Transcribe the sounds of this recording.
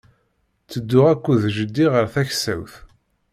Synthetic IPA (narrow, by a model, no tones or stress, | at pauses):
t͡sːəd̪ːʊʁækʷːuðʒəd̪ːiʁəɾθæçsæ̰wθ